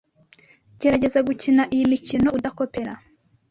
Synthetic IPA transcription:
ɟe̞ɾaɟe̞zaɡucinaʔijimicino̞udako̞pe̞ɾa

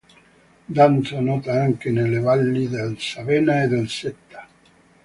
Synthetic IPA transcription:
d̪ant̪sanɔːt̪aaŋk̟enelːevalːid̪elsavɛːnaed̪elsɛt̪ːḁ

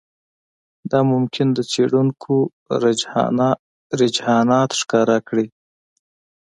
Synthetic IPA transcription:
d̪ɑmʊmkʰɪnd̪ət͡seɽuŋkʰo | ɾɪd͡ʒhɑnɑt̪ʂkɑɾakɽi

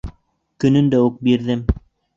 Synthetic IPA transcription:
kɵ̆nɵnd̪æuk̚biɾðɘm

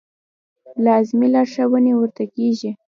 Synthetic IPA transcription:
lɑzmilɑɾʃawənewəɾt̪akeʒi

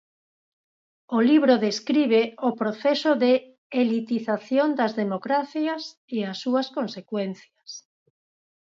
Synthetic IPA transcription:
oliβɾoðeskɾiβ̞eopɾoθɛsoðe | elit̪iθaθjond̪ɐzðemokɾaθjɐs | easːuɐskonsekwɛnθjɐs

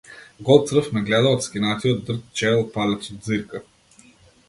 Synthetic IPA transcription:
ɡɔlˠt̪sɾəfmɛɡlɛd̪əot̪skʲinat̪ʲiod̪d̪ɤɾk̪t͡ʃɛlˠpalʲɛt͡ʃ̪ziɾkə

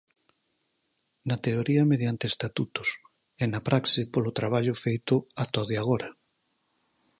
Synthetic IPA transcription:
nɐt̪eoɾiɐmeðjant̪eːst̪at̪ut̪ʊs | enapɾaksipolot̪ɾaβ̞aʎʊfejt̪ʊat̪oðeaɣ̞oɾɐ

